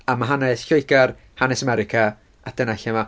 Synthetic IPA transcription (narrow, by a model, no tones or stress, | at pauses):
amaɦanɛsɬojɡar | hanɛsamɛɾɪkʰa | ad̥ənaɬama